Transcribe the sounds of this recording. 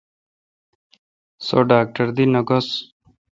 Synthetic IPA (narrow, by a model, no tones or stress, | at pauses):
soɖaːk̚ʈɐɾd̪inɐɡos